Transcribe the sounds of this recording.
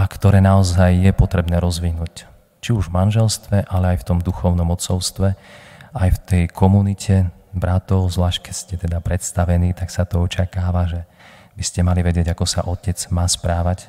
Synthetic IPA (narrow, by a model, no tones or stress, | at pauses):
ʔakt̪ɔɾɛːnaɔzajːɛpɔt̪ɾɛbnɛːɾɔzʋinuːc | t͡ʃiuʒvmanʒɛlst̪ʋɛʔalɛajft̪ɔmd̪uxɔʊnɔmɔt͡sɔʊst̪ʋɛajft̪ɛjkʰɔmunicʰɛbɾat̪ɔʊzʋlaːʃkɛcscɛt̪ɛd̪apɾɛt̪st̪aʋɛniːt̪aksat̪ɔɔt͡ʃakaːʋaʒɛ | biscɛmaliʋɛɟɪɛɟakɔsa̰ʔɔcɛd͡zmaːspɾaːʋac